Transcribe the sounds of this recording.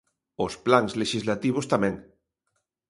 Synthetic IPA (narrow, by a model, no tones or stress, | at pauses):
osplaŋzleʃizlat̪iβ̞ost̪amɛ̃ŋ